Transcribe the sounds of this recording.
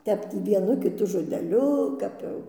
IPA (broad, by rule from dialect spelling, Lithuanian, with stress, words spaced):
ˈtʲɛp ˈtʲiː ʋʲiɛˈnʊ kʲɪˈtʊ ʒoːdʲɛˈlʲʊ ˈkɐp jɛʊ